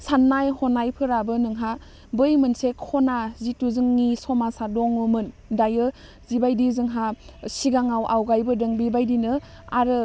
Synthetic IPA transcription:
sanːajhɔnajpʰɯɾabɯnɯŋɦa | bɯjmɯnsekhɔnazituzɯŋːisɔmasadɔŋɯmɯn | dajɯ | zibajdizɯŋɦasiɡaŋawʔawɡajbɯdɯŋbibajdinɯ | aɾɯ

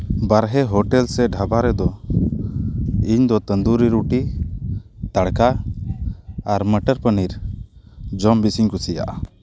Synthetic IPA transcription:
baɾɦɛɦɔʈɛlsɛɖʱabaɾɛd̪ɔ | iɲd̪ɔt̪ənd̪uɾiɾuʈi | t̪aɽka | ɾməʈəɾpəniɾ | d͡ʒɔmbisiɲkusija̰ʔa

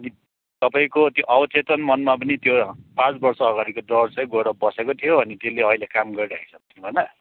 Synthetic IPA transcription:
ʌni | t̪ʌpaĩkot̪joʔʌbʌt̪et̪ʌnmʌnmapʌnit̪jopãt͡sbʌrsʌːɡaɾikod̪ʌrt͡sʌjɡoɽʌbʌsekot̪ʰijoʌnit̪eleʌilekamɡʌɾiɾakʰi̥sʰʌk̚t̪inũbʱʌnʌ

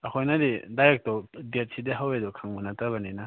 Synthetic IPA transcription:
ɐkʰojnadidaɾek̚tɔdet̚sideɦawedɔkʰaŋmunatabanena

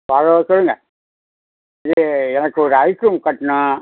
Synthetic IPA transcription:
ʋɐɻoːsɔɭːɯŋɡɐ | ɪðɯɛnɐkːɯɔɾɯɐɪkɾuːmkɐʈːna

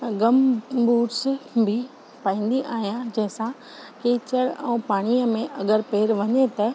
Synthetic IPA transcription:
ɡɐmbuːɾsbʱɪ | paːĩːn̆d̪iʔaːɦijãd͡ʑɐ̃ɦɪ̃sã | keːt͡ɕəɽɛ̰̃ːpaːɽ̃iəmẽʔɐɡəɾpeːɾʋɐɲet̪ɐ

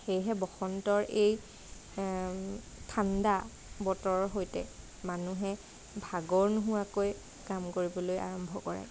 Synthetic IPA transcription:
xejɦɛbɔxɔntɔɹʔej | tʰanda | bɔtɔɹɦojtɛ | manuɦɛ | bʱaɡɔɹnuɦʊwakoj | kamkoɹibɔloja̰ɹɔmbʱɔkɔɹɛ̰

